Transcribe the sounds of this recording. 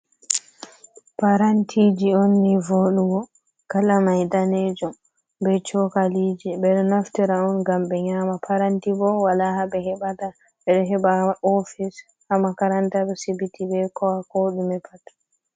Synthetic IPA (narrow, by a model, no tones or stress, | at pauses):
paɾantʰid͡ʒionːivoɗuɡɔ | kalamajdanɛd͡ʒɔm | bɛt͡ʃɔkaliːd͡ʒɛbɛɗɔnaftiɾaɔnɡambɛɲaːmapʰaɾantibɔwalaɦabɛɦɛbata | ɓɛɗɔɦɛbaɔfis | hamakaɾantaɗɔsibitibɛkɔwakoɗumɛpʰatː